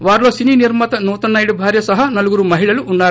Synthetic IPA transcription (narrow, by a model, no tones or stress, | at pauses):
ʋaːɾloːsininiɾmɐt̪ɐnuːt̪ɐnːɐjɽibʱaːɾjɐsɐɦɐnɐluɡuɾuːmɐɦiɭɐluunːaːɾ